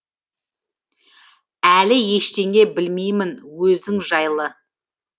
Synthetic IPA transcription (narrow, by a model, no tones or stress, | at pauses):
ælɪje̞ʃt̪e̞ŋʲe̞bɪlmejmɪnwɵzd̪ɪŋʒɑjlˠə